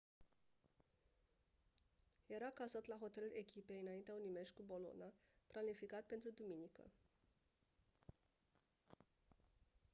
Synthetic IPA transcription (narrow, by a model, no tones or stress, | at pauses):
je̞ɾakazət̪laɦo̞t̪e̞lulʔe̞kʲipe̞jɨnaint̪eaunime̞ʃʲkubo̞lo̞̰naplanifikat̪̚pe̞nt̪ɾud̪uminikə̰